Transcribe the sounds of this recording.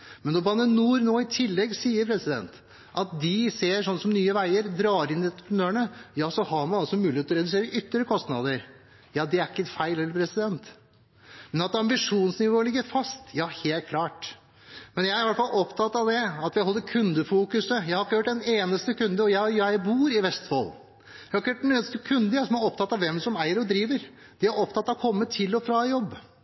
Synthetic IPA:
mɛnɔbɑnːənuːɾnoːɪt̪ʰɪlːɛɡsiːəɾpʰɾɛsɪd̪ɛ̰nt̪ | ʔɑt̪̚d̪ɪseːʂɔnːəsɔmnyːəʋæɪəɾd̪ɾɑːɾɪnːɪɛt̪əpɾənøːəɳəjɑːsɔhɑɾmɑnɑlsɔmʉːlɪheːt̪ɔɾɛd̪ʉs̬eːɾəʔʏt̪ːəɾəkʰɔst̪nɑd̪əɾ | jɑːd̪ɛæɾɪkːəfæɪlhɛlːəɾpʰɾɛsɪd̪ɛnt̪ | mɛnɑt̪ɑmbɪʂuːnsnɪʋoːlɪɡːəɾfɑst̪jɑːheːlt̪̚kʰlɑːʈ | mɛnjæɪæɾʋæʈfɑlʔɔpt̪ʰɑt̪ːɑʋd̪ɛɑt̪ʋɪhɔlːəkʰʉnd̪əfuːkʉsəjæɪhɑɾɪkːəhøːʈ̚ːd̪ɛneːnəst̪əkʉnd̪əɔjæjæɪbuːɾɪʋɛst̪fɔ̰l | jæhɑɾɪkːəjøːʈ̚d̪ɛneːnəst̪əkʰʉnd̪əjɑsɔmæɾɔpt̪ʰɑt̪ːɑʋɛmsɔmæɪəɾɔd̪ɾiːʋəɾ | d̪̥ɛæɾɔpt̪ʰɑt̪ːɑkʰɔmːət̪ʰɪlːɔfɾɑjɔbː

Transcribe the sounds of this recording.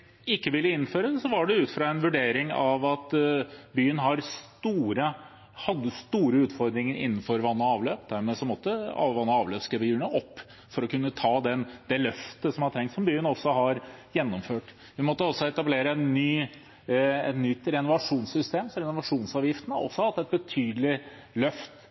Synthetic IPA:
ɪkːəʋɪlːəɪnːføːɾəd̪sɔʋɑɖɛʉːt̪fɾɑɛnʋʉɖeːɾɪŋɑʋɑt̪byːənɦɑɾst̪uːɾə | hɑd̪ːəst̪uːɾəʉːt̪fɔɾd̪ɾɪŋəɾʔɪ̰nːn̩fɔɾʋɑnːɑːʋløːpd̪æɾmɛsɔmɔt̪ːəɑ̰ʋɑnːɑːʋløːskəbjyːɳəʔɔpː | fɔɾɔkʉnːət̪ʰɑːd̪ɛnd̪ɛlœft̪əsɔmhɑt̪ʰɾɛŋkt̪sɔmbyːənɔsːɔɦɑɾjɛnːɔmføːʈ | ʋɪmɔt̪ːəɔsːɔɛt̪ɑbleːɾəɛnːyː | ɛt̪nʏt̪ɾɛnʊʋɑʂuːnsʏst̪eːmsɔɾɛnʊʋɑʂuːnsɑːʋjɪft̪ən̩həɔ̰sːɔhɑt̪ːɛt̪̚bət̪ʰyːd̪lɪ | lœft̪

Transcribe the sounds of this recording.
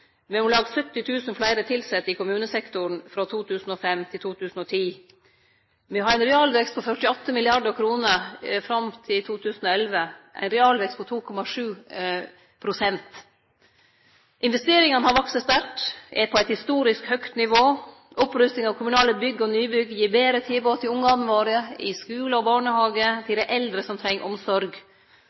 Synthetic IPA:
mɛʊlɑːɡsœt̪ːɪt̪ʰʉːsənflæɪɾət̪ʰɪlsɛt̪ːɪkʊmʉːnəsɛkt̪ʊɳfɾɔt̪ʰuːt̪ʰʉːsn̩ɔfɛmt̪ʰɪlt̪ʰuːt̪ʰʉːsn̩ɔt̪ʰiː | mɛhɑɾæɪnɾɛɑːlʋɛkst̪pʰɔfœʈɪɔt̪ːəmɪlɪɑɖəɾkʰɾuːnəɾfɾɑmt̪ʰɪlt̪ʰuːt̪ʰʉːsn̩ɔɛlʋəʔæ̰ɪnɾɛɑːlʋɛkst̪pɔt̪ʰuːkʰɔmɑʂʉː | pʰɾʊsɛnt̪ | ʔɪnʋɛst̪eːɾɪŋɑnəhɑɾʋɑksəst̪æʈʔɛpʰɔæɪt̪hɪst̪uːɾɪskhœkt̪nɪʋoː | ʔɔpɾʉst̪ɪŋɑʋkʰʊmʉnɑːləbʏɡːəɔnyːbʏɡːjiːɾbeːɾət̪ʰɪlboːt̪ʰɪlʊŋːɑnʋoːɾɪəɪskʉːləɔbɑːɳəhɑːɡət̪ʰɪld̪ɛʔɛld̪ɾəsɔmt̪ʰɾɛŋːə̰ʔɔmsɔɾɡ

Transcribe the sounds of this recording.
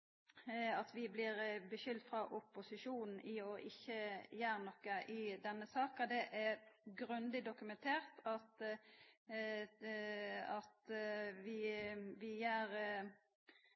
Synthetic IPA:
ɑt̪ʋɪblɪɾbəʃʏld̪fɾɑʔʊpːʊsɪʃuːnn̩ʔɪɔʔɪçːəjæːɾnɔkːəʔɪd̪ɛnːəsɑːkɑd̪ɛʔæɾɡɾʉnd̪ɪd̪ʊkʉmɛnt̪ʰeːɾt̪ʰɑt̪ | ɑt̪ʋɪʋɪjæːɾ

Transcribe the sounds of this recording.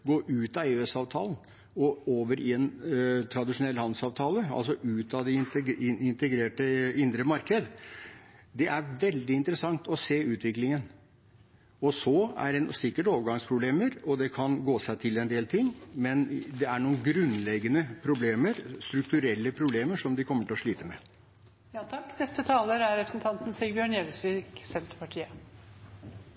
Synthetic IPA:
ɡoːɾʔʉːt̪ɑeːɛsɑːʋt̪ʰɑ̰ːln̩ | ɔoːʋəɾɪɛnt̪ʰɾɑd̪ɪʂʊnɛlːhɑn̩sɑːʋt̪ʰɑːləɑ̰ls̬ɔʔʉːt̪ɑd̪ɛɪɪnt̪əɡɾeːʈəɪnd̪ɾəmɑɾkəd̪ | d̪ɛʔæɾʋɛld̪ɪɪnt̪əɾəsɑŋt̪ɔseːʉːt̪ʋɪklɪŋən | ɔsɔæ̰ɾɛnsɪkːəʈoːʋəɾɡɑŋspʰɾʊbleːməɾɔd̪ɛkʰɑnɡoːsæɪt̪ʰɪlɛnd̪eːlt̪ʰɪŋːmɛnd̪ɛæɳuːənɡɾʉnlɛɡːənəpʰɾʊbleːməɾst̪ɾʉk̚t̪ʉɾɛlːəpʰɾʊbleːməʂɔmd̪ɪkʰɔmːəʈʰɪlɔʂɭiːt̪əmɛ̰ | jɑt̪ʰɑkːnɛst̪ət̪ʰɑːləɾæɾɛsn̩t̪ʰɑnt̪n̩sɛbjøːɳjɛlsʋiɡsɛnt̪ɾəpɑʈʰiːə

